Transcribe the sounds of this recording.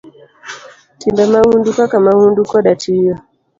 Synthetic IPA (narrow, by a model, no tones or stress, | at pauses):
tindamaundukakamaundukɔɗatiɔ